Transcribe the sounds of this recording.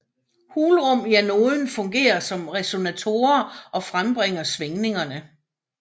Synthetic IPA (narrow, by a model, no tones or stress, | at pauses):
huːlʁɔ̽m̰jæno̝ːðˠn̩fɔ̽ŋɡ̥e̝̰ːɐsɒ̽mʁɛso̝næt͡sʰo̝ːɐɒ̽fʁamb̥ʁɛŋ̰ɐsʋeŋne̝ŋɐnə